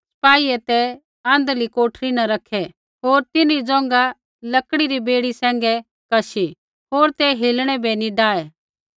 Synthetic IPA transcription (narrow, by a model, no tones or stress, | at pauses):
spaːiɛt̪ɛ | ɐ̃ːnd̪likoːʈʰɾinaɾɐkʰɛ | ɦoːɾt̪ɪnid͡zɔ̃ːŋ̆ɡa | lɐkɽiɾibeːɽisɛ̃ːŋɡɛ | kɐʃi | ɦoːɾt̪ɛɦeːlɽ̃ɛbɛniɖaːɛ